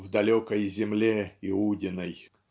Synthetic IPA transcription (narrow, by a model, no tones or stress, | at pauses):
vd̪ɐlʲokəjzʲɪmlʲeɪudʲɪnəj